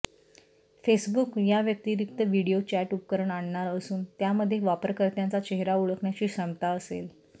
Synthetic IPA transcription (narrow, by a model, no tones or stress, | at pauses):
fesbukjaʋjək̚t̪iːɾik̚t̪əʋiɽijot͡ɕæʈup̚kəɾəɳaɳːaɾəsuːnt̪jaməd̪ʱːjeʋapəɾkəɾt̪jant͡sat͡ɕeɦɾauɭəkɳjat͡ɕiːsəmt̪aəsḛl